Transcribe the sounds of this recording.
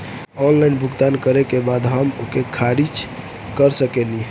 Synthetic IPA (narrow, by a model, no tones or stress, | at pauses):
ɔnlainbʱuɡt̪ankəɾekebad̪ɦəmokekʰaɾit͡ʃ | kəɾsəkeli